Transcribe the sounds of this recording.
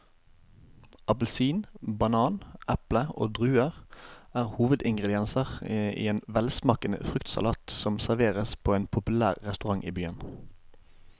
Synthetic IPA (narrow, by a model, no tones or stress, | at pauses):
ʔɑpəl̩siːnbɑnɑːnʔæpləo̰ːd̪ʁʉːəʁæːʁhuːʋəd̪ɪŋɡʁɛd̪ɪɛnsəʁḭːeːnʋɛlsmɑːkənə̰fʁʏkt̪sɑ̰lɑːt̪sɔmsæʁʋeːʁəspʰoːeːnpʰʊpʉlæːʁʁɛst̪ʉʁɑŋʔḭːbyːən